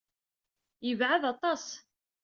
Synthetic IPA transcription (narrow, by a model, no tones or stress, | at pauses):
jəvʕaðɑt̪ˤɑs